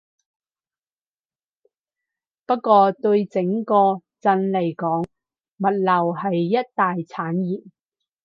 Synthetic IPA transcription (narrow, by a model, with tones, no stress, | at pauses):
pɐ˥t̚kːɔː˧t̪ɵ˧ɥt͡sɪ˨˥ŋkɔː˧t͡sɐ˧nle˨˩jkɔː˨˥ŋ | mɐ˨t̚lɐ˨˩wɦɐ˨jːɐ˥t̚t̪aː˨jt͡sʰaː˨˥njiː˨˩n̚